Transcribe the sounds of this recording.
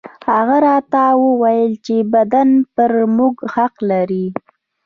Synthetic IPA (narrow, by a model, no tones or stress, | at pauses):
haɣaɾɑt̪awəwajəlt͡ʃebad̪anpəɾmuɡhaqlaɾi